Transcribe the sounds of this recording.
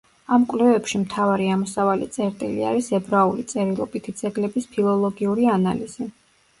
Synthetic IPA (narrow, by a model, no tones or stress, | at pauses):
amkʼwlɛvɛpʃimt̪ʰavaɾiamɔsavalḭt̪sʼɛɾt̪ʼilḭa̰ɾisɛbɾaulit̪sʼɛɾilˠɔ̰bit̪ʰid̪z̥ɛɡlɛbispʰilˠɔlˠɔɡiuɾianaliz̥i